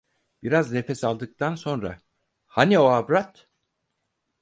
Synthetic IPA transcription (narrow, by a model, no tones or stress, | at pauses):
b̥iɾazne̞fɛsalˠd̪ɯk̚t̪ʰanso̞nɾa̰ | hanioabɾat̪